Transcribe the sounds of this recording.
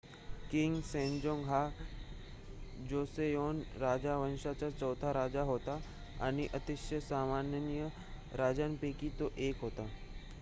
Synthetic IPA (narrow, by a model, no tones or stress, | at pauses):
kiŋɡsẽɲd͡ʑoŋɡɦa | d͡ʑosejonɾad͡ʑaʋənɕat͡ɕat͡ɕəwt̪ʰaɾad͡ʑaɦot̪a | a̰ɽ̃iʔət̪iɕjəsamanjənjə | ɾad͡ʑanpekiːt̪oʔekɦot̪a